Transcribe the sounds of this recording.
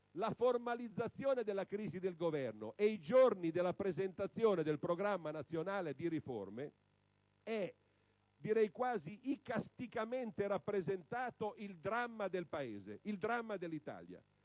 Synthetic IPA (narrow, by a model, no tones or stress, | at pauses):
laformalid̪zːat̪sːjoːned̪elːakɾiːzid̪elɡovɛrno̰ʔejd͡ʒornid̪elːapɾezent̪at̪sːjoːned̪elpɾoɡɾamːanat̪sːjonaːled̪iɾifo̰rme | ɛ | d̪iɾɛjkwaːziʔikast̪ikament̪eɾapːɾezent̪aːt̪oʔild̪ɾamːad̪elpaḛːzḛild̪ɾamːad̪elːit̪a̰ːlja̰